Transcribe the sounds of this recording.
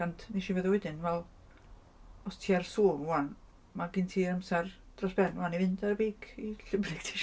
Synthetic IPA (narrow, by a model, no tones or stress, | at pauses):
andniʃivəðɔwɛdɪnvɛlˠ | ɔstʰiːarsuːmwan | maɡɪntʰiːɾəmsar | d̥rɔsb̥ɛnwanivɨndaɾbeːkʰiɬɪbrɪɡ̥tʰi̥ʃ